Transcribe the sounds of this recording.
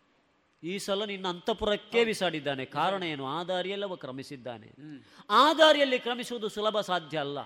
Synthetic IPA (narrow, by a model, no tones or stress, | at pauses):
iːsɐlɐninːɐɐnt̪ɐpuɾɐkːe̞ːʋisaːɽid̪ːaːnekaːɾɐɳɐjenːuaːd̪ʱaːɾijɐlːɐʋɐkɾɐmisid̪ːa̰ːnḛ | aːd̪ʱaːɾijɐlːikɾɐmisuʋɐd̪usulɐbʱɐsaːd̪ʱjɐːlːɐ̰